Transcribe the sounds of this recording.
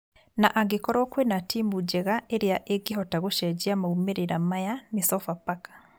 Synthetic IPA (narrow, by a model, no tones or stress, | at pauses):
naʔaɡekɔɾɔkwenatimud͡ʒɛɣaeɾeaʔeɡeɦɔtaɣoʃɛd͡ʑiamaumeɾeɾamajanesɔfapakḁ